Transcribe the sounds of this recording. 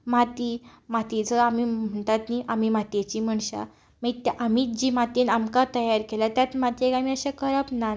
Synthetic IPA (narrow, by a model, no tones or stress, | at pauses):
mat̪imat̪it͡səamim̤əɳt̪at̪niʔamimat̪et͡ɕiːm̤əɳɕa̰ | mait̪aʔamiːd͡ʑiːmat̪inamkat̪əjaɾkelat̪jat̪mat̪iekamiəɕakəɾəpna